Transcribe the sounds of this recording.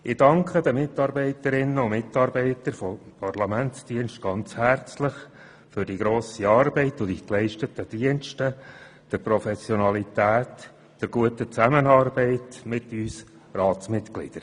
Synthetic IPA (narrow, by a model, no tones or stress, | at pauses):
ɪd̥ɑŋkʰχədəmɪt̪ɑɾbɛɪtəɾɪnːəʊmɪt̪ɑɾbɛɪt̪əɾfopʰɑrlɑmæntsd̥iənʃtɡ̥ɑnt͡shæɾt͡slɪχ | fʏɾdiɡɾoːsiɑːɾbɛɪtʊd̥iklɛɪʃtətəd̥iənʃtə | d̥əɾpɾɔfɛsjɔnɑlitæːt | d̥əɾɡ̥uətət͡sæmənɑːrbɛɪtmɪtyːs | rɑːtsmɪtklɪ̰d̥əɾ